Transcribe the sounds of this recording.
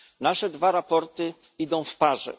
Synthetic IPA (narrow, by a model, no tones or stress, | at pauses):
naʂɛd̪vaɾapɔɾt̪ɘ | id̪ɔ̃w̃fpaʐɛ̰